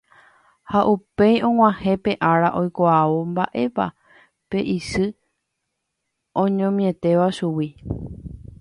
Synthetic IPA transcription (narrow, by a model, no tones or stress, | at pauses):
haʔupe̞jõ̞ŋʷw̃ãhẽ̞pe̞ʔaɾaʔo̞jkoaʋomba̰ʔe̞pa̰ | pe̞ʔisɨ | õ̞ɲõ̞mĩẽ̞t̪e̞ʋaʃuwi